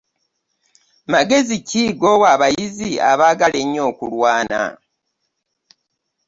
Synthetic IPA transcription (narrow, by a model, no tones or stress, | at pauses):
maɡe̞ziciːɡowaβajizia̰βaːɡale̞ɲːo̞ːkulwaːna̰